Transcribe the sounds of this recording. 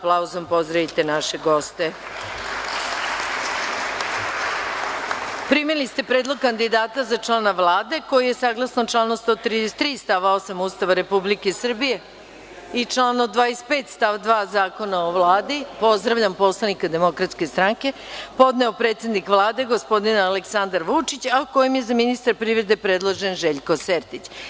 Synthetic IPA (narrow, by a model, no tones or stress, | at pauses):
plauzompo̞zd̪ɾaʋit̪e̞naʃe̞ɡo̞st̪e | pɾimilist̪e̞pɾe̞ːd̪lˠo̞ɡ̚kand̪id̪aːt̪azat͡ʂlˠaːnaʋlaːd̪e̞ko̞jije̞saːɡlˠasnot͡ʂlaːnost̪ot̪ɾid̪est̪ːɾiːst̪aʋao̞samuːst̪aʋaɾe̞publike̞sr̩bije̞ | it͡ʂlaːnod̪ʋaːespeːt̪st̪aʋd̪ʋaːzaːko̞naoʋlˠaːd̪ipo̞zd̪ɾaʋʎampo̞slˠanikad̪emo̞kɾat̪ske̞st̪ɾaŋke̞po̞d̪neopɾeːt̪se̞d̪nikʋlˠaːd̪e̞ɡospo̞d̪inaleksand̪aɾʋut͡ʂit͡ɕauko̞jemje̞zaminist̪aɾpɾiʋɾe̞d̪e̞pɾe̞d̪lˠoʒenʒeʎko̞seɾt̪it͡ɕ